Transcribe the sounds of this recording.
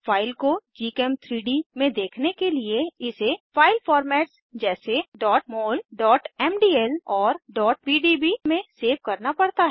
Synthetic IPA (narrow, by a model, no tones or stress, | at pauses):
fʰaːɪlkod͡ʒiːkɛmt̪ʰɾiːɖimẽd̪eːkʰnekelieɪsefaːɪlfɔːɾmɛːʈs | d͡ʒɛːseɖɔːʈ̚moːlɖɔːʈɛːmɖiːɛlɔːɾɖɔːʈ̚piːɖibimẽseːʋkɐɾnapɐɽt̪aɦɛː